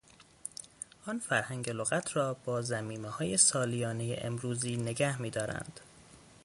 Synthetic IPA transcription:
ʔɒnfæɾhæŋɟeloɣæt̪ʰɾɒːb̥ɒːzæmiːmehɒːje̞sɒːlijɒːnejḛʔemɾuːziːne̞ɡæhmiːd̪ɒːɾæ̰nd̪̥

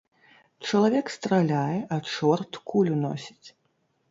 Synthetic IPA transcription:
t͡ʂɐlˠavʲɛkst̪ɾalʲajɛʔɐt͡ʂɔrt̪kʰulʲunɔ̰sʲi̥t͡sʲ

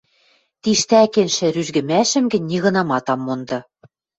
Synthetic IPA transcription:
t̪iʃt̪ækenʃɘ̆ɾyʒɣɘ̆mæʃɘ̆mɡɘ̆nʲːiɣɤ̆nɑmɑt̪ɑmːond̪ɤ̆

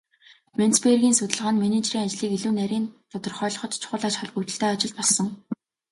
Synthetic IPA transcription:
ment͡sperɣʲiːnsɵt̪ʲɪ̆ɮʁaːnmenet͡ɕriːŋat͡ɕɮiːkiɮuːnæɾʲiːnt̪ʰʊt̪ɞ̆rχœːɮɞ̆χɞ̆t̪t͡ɕʰʊ̥χʊːɮaːt͡ɕχaɮput͡ɕ̪ɘ̆ɬt̪eːat͡ɕɪ̆ɮt̪pɔɮsɞ̆ŋ

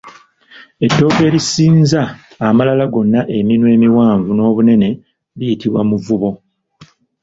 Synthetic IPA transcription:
e̞dːo̞ːke̞ːɾisiːnzaː | malalaɡo̞nːaʔeminwe̞ːmiwaːɱvuno̞ːβune̞ne̞ | βijitiβwamuvuβo̞

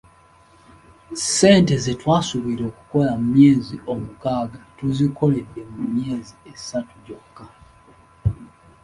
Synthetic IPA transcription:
se̞ːnte̞ze̞twaːsuβiɾo̞ːku̥ko̞lamumje̞ːzio̞mukaːɡatuziko̞le̞dːe̞mumje̞ːzie̞satuɟo̞kːa

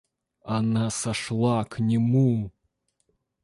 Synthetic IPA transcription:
anasaʂlˠaknʲɪmu

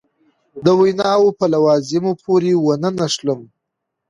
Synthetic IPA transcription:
d̪əwajnɑwopəlawɑzɪmopʰoɾewənənaʂləm

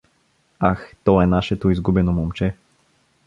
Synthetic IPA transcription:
axt̪ɔɛnaʃɛt̪oizɡubɛnomomt͡ʃɛ

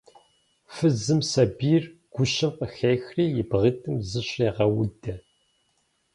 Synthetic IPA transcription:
fɨzɨmsɐbiːrɡ̥ʷʊɕɐmqəxejxriːjɪbʁɨtʰʼɨmzɨɕeːʁɐwʊdɐ

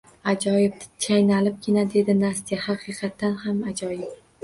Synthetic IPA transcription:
ad͡ʒɒjɪb̪̚t͡ʃʰajnalɪp̚kʲʰɪnad̪e̞d̪ɪnast̪ijahɑqʰɨqʰɑt̪ːanhamad͡ʒɒjɪp̚

